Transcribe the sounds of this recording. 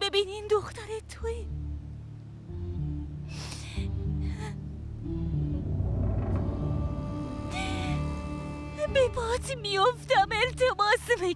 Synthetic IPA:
bebinind̪oxt̪aɾet̪ʰoe | bepɑːt̪mijoft̪amelt̪ʰemɑːsme

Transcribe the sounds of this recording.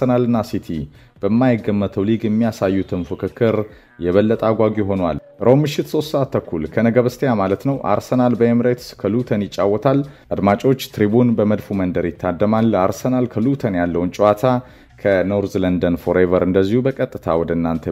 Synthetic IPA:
ənalɨnːasit̪ʰḭ | b̥əmːajɪɡːəmːət̪ʰəwliɡjɛmːijasajːut̪ʰɨnfɨkɨkʰːɨɾ | jɛβəlːət̪ʼaɡʷaɡiɦo̞nwa̰lʔɾʔomːɨʃːɪt̪so̞st̪səʔat̪ːʰəkːulkʰənəɡəβɨst̪ʰejamalət̪nəwʔa̰ɾsənalbəjɛmɨɾet̪ɨ̥skʰəlut̪ʰənjɪt͡ʃʼːawːɔt̪ʰalʔad̪mat͡ʃʼo̞t͡ʃːt̪ʰɾibunbəməd̪fumənd̪əɾjɪt̪ʰːad̪ːəmalaɾsənalkʰəlut̪ʰənjalːəwunt͡ʃʼwat̪ʰa | kʰəno̞ɾzlənd̪ənfo̞ɾevəɾʔɨnd̪əzːihubəkʼət̪ʼːɨt̪ʰa̰wɔd̪əɨnːant̪ʰə

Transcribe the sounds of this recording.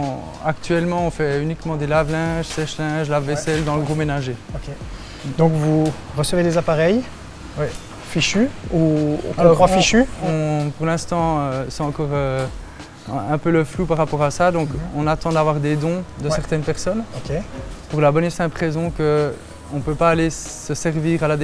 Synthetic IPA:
akt̪ɥɛlmɑ̃ɔ̃fɛynikmɑ̃d̪elavlɛ̃ʒsɛʃlɛ̃ʒlavːɛsɛld̪ɑ̃ləɡʁomenaʒeoke | d̪ɔ̃kvuʁəsəved̪ezapaʁɛj | wɛ | fiʃyũəɑ̃fiʃyɔ̃puʁlɛ̃st̪ɑ̃øsɛɑ̃kɔːʁø | ɛ̃pøləflupaʁapɔʁasad̪ɔ̃kɔ̃nat̪ɑ̃d̪avwaʁd̪ed̪ɔ̃d̪əsɛʁt̪ɛnpɛʁsɔnokʲepuʁlabɔnesɛ̃pχezɔ̃kə | ɔ̃pøpaːlesəsɛʁviːʁalad̪e

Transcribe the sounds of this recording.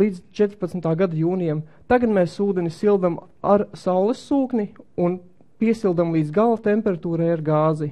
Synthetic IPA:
lˠiːd̪zt͡ʃɛt̪ɾpat̪smʲt̪aːɡad̪ajuːnijamt̪aɡat̪mɛːssuːd̪ɛnisilˠd̪am | aɾsawlˠɛsːuːknʲiun | piɛsilˠd̪amlˠiːd̪zɡalˠat̪empɛɾat̪uːɾɛjaɾɡaːzi

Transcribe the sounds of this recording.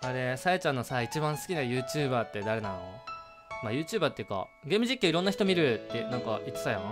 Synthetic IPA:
aɾe̞saet͡ɕãnːo̞sait͡ɕibãɰ̃sɨ̥kʲinajɯ̟ːt͡ɕɨːbaːt̪ːe̞d̪aɾe̞nãno | majɯ̟ːt͡ɕɨːbaːt̪ːejɯ̟ka̰ | ɡe̞ːmɯʑikʲːiiɾõ̞nːaçi̥t̪o̞mʲiɾɯ̟t̪ːenãŋkaʔit̪t͡sɨ̥sajã

